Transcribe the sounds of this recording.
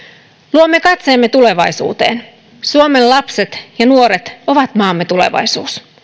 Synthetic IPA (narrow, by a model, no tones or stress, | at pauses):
luomːe̞kɑt̪seːmːe̞t̪ule̞ʋɑjsṵːt̪e̞̰ːn | suome̞llɑpse̞t̪jɑnuo̞ɾet̪o̞ʋɑt̪mɑːmːe̞t̪ule̞̰ʋɑ̰jsṵːs